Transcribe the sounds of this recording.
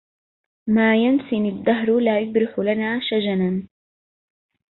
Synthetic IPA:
maːjansɪnɪd̪ːaɦɾlaːjʊd̪ɾɪħʊlanaːʃad͡ʒanan

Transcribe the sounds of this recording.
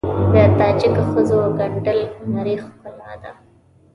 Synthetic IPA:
d̪ət̪ɑd͡ʒɪkxəzoɡaɳɖəlnaɾixpəlɑ̰d̪a̰

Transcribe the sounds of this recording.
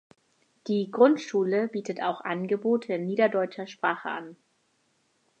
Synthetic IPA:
d̥iːɡʁʊntʃuːləbiːtətʰaʊxʔanɡəboːtʰəɪnːiːdɐdɔʏt͡ʃɐʃpʁ̥aːχə̰ʔa̰n

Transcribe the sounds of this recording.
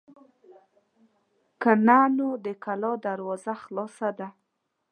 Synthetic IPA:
kananod̪əkalɑd̪aɾwɑzaxlɑsad̪a

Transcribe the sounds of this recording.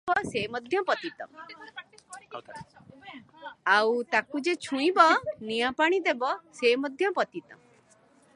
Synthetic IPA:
ɔsemɔd̪ʱjɔpɔt̪it̪ɔ̰ | awt̪akud͡ʒet͡ʃʰũĩbɔnijapaɽ̃id̪ebɔsemɔd̪ʱjɔpɔt̪it̪ɔ

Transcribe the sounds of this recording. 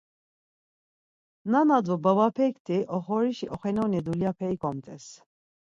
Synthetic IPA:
nanad̪ubəvapʰɛkt̪ʰiʔɔχɔɾiʃiʔɔχɛnɔnɛd̪uljapʰɛikʼɔmt̪ʼɛs

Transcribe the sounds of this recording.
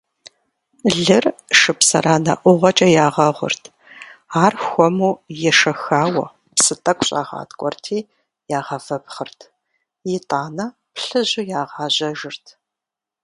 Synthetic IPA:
ɮɨrʂɨpsɐraːnɐ̰ʔʷʊʁʷɐt͡ʃʼɐjaːʁɐʁʷʊ̰rtʰ | aːrxʷɔmuːjɛʂɐxaːwɐ̰ | psɨtʼɐkʷʰʼɕʼa̰ːʁɑ̰ːtkʷʼɔrtʰiː | jaːʁɐvɐpχərtʰ | jɪtʼaːnɐ | pɬɨʑʊjaːʁɑːʑɐʒɨrtʰ

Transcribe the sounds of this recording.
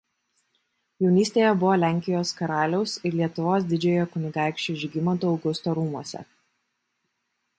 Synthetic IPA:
jɛʊnʲiːsʲt̪ʲeːjɛbʊʋoːlʲæˑŋʲkʲɪjoːskɐɾɑːlʲɛʊsɪɾlʲiɛt̪ʊʋoːs̬d̪ʲɪd͡ʒʲeːjoːkʊnʲɪɡɑˑɪkʃʲt͡ʃʲuːʒʲɪɡʲɪmɐt̪uɒʊɡʊst̪oːɾuːmuɔsʲɛ̰

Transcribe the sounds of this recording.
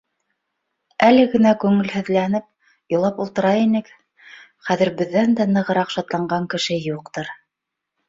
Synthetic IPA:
ælɘɡɘ̆nækʉŋɘ̆lhɘ̆ðlænɘp̚ | jŏlˠɑpulˠt̪ɤ̆ɾɑjinɘk | χæðɘ̆ɾbɘ̆ðːænd̪ænɤ̆ʁɤ̆ɾɑqʃɑt̪lˠɑɴɢɑŋkɘ̆ʃɘjuqt̪ɤɾ

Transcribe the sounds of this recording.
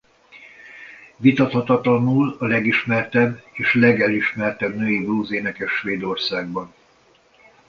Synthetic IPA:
vit̪ɒt̪hɒt̪ɒt̪lɒnuːlɒlɛɡiʃmɛrt̪ɛbːeːʃlɛɡɛliʃmɛrt̪ɛbnøːibruːzeːnɛkɛʃʋeːd̪o̞rsaːɡ̚bɒn

